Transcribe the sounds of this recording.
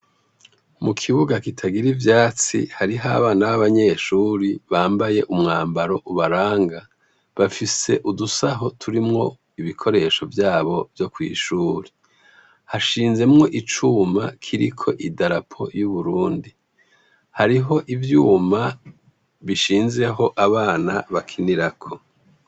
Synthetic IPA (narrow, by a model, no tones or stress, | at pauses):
mukʰiβuɡakitʰaɡiɾivjaːt͡sḭhaɾiɦaβaːnahaβaɲe̞ʃuːɾiβaːmbaje̞ʔumŋaːmbaɾo̞ʔuβaɾaːŋɡa | βafise̞ʔudusaɦo̞tʰuɾimŋo̞ | iβikʰo̞ɾe̞ːʃo̞vjaːβo̞vjo̞kwḭːʃuːɾi | haʃiːnze̞mŋo̞ʔit͡ʃuma̰kʰiɾikʰo̞̰ʔidaɾapʰo̞̰juβuɾuːndi | haɾiɦo̞ʔivjuːma | βiʃiːnze̞ɦo̞ʔaβaːnaβakʰiniɾakʰo̞